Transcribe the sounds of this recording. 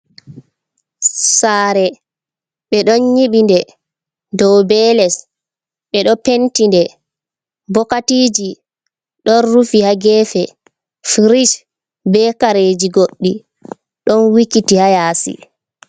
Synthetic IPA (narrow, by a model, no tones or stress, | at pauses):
saːɾɛ | ɓɛɗɔnɲiɓindɛ | dɔwbɛlɛs | ɓɛɗɔpentindɛ | bɔkatiːd͡ʒi | ɗɔnɾufihaɡɛːfɛ | fɾiʃ | bɛkaɾed͡ʒiɡoɗːi | ɗɔnwikitihajaːsḭ